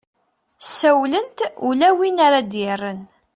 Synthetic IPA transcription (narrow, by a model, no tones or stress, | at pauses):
sːæwlənt̪ulæwinaɾad̪jɪrːən